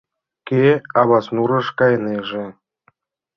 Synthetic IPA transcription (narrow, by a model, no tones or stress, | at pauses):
kʲeɑβɑsnuɾɤ̆ʃkɑjneʒĕ